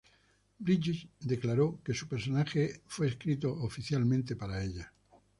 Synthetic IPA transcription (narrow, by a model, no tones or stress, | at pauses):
bɾid͡ʒit͡ʃd̪e̞klaɾoke̞supe̞ɾsonaxefwe̞ːskɾit̪oʔofiθjalmẽnt̪e̞paɾaeʎa